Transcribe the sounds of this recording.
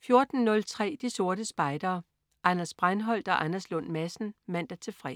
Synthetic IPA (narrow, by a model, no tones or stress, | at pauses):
fjo̝ɐd̥n̩nɔ̽lt͡sʰʁɛ̰ːd̥iso̝ɐɾ̥əsb̥ɑ̈ɪd̥ɐː | ʔænɐsb̥ʁanɦɒ̽l̰d̥ɒ̽ʔænɐslɔ̽nmæsn̩mæn̰d̥æt͡sʰe̝fʁɛ̰